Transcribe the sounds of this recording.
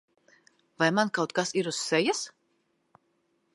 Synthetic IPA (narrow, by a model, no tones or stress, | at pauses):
vajmankawt̪kasiɾusːɛjas